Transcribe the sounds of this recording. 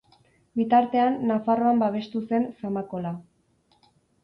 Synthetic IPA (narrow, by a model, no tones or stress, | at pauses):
bit̪aɾt̪e̞anːafaro̞ambaβ̞e̞st̪use̞nsamako̞la